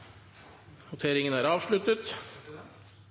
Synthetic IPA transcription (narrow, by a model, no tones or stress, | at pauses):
nʊt̪ʰeːɾɪŋənæːɾɑːʋʂɭʉt̪ət̪